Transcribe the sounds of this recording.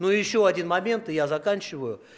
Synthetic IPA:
nojɪɕːoɐdʲinmɐmʲe̞nt̪ɨjazɐkanʲt͡ɕɪvəjʊ

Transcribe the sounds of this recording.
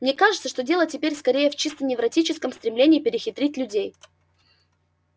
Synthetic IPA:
mnʲekaʐɨt̪səʂt̪odʲe̞lˠətʲɪpʲeɾʲskɐɾʲejəft͡ɕist̪ənʲɪvɾɐtʲit͡ɕɪskəmst̪ɾʲɪmlʲenʲɪːpʲɪɾʲɪxʲɪt̪ɾʲitʲlʲʉdʲej

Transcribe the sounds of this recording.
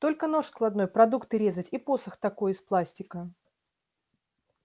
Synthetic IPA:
t̪o̞lʲkəno̞ʂsklˠɐd̪no̞jpɾɐd̪ukt̪ɨɾʲe̞zətʲipo̞səxt̪ɐko̞jɪsplˠasʲtʲɪkə

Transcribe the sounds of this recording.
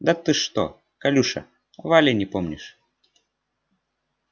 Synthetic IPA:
d̪at̪ɨʂt̪o̰ | kalʲuʃɐ̰ | valʲenʲipomnʲiʃ

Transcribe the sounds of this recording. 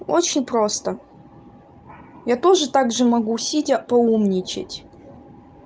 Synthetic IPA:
ot͡ɕɪnʲpɾo̞st̪ə | jat̪o̞ʐɨt̪aɡʐɨmɐɡusʲitʲəpɐumnʲɪt͡ɕɪ̰tʲ

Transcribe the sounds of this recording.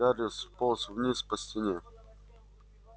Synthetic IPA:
aɾʲɪsposvnʲispəsʲtʲɪnʲe

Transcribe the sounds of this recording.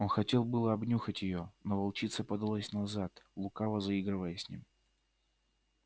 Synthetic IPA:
o̞nxɐtʲe̞lˠbɨlˠəɐbnʲuxətʲjɪjonovɐlˠt͡ɕit̪səpəd̪ɐlˠosʲnɐzat̪lˠʊkavəzɐiɡɾɨvəjəsʲnʲḭm

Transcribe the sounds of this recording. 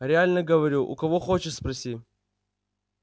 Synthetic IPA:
ɾʲɪalʲnəɡəvɐɾʲuʔʊ̰kɐvoxot͡ɕɪʂspɾɐsʲi

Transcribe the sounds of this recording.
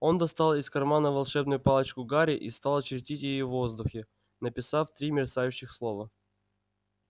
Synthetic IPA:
o̞nd̪ɐst̪ɑlˠɪskɐrmanəvɐlˠʂɛbnʊjʊpɑlˠət͡ɕkʊɡaɾʲɪʔist̪ɑlˠɐt͡ɕɪɾʲtʲitʲjɪjovo̞zd̪ʊxʲɪ | nəpʲɪsaft̪ɾʲimʲɪrsajʉɕːɪxslˠo̞və

